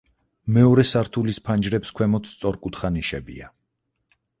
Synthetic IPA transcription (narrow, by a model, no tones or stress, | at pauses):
mɛɔɾɛsaɾt̪ʰulispʰand͡ʒɾɛpskʰwɛmɔt̪ssʼɔɾkʼut̪χaniʃɛbḭa̰